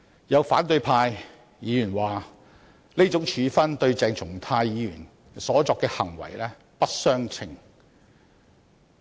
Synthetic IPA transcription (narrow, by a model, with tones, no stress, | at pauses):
jɐ˨˧wfaː˨˥nt̪ɵ˧ɥpʰaː˧j | jiː˨˧jyː˨˩nwaː˨˩ | leː˥t͡sʊ˨˥ŋt͡ʃʰyː˨˧fɐ˥nt̪ɵ˧ɥt͡sɛː˧ŋt͡sʰʊ˨˩ŋt̪ʰaː˧jjiː˨˧jyː˨˩n | sɔː˨˥t͡sɔː˧kːɛː˧hɐ̰˨˩ŋwɐ̰˨˩jlɛː˥ | pɐ˥t̚sœː˥ŋt͡sʰɪ˨˩ŋ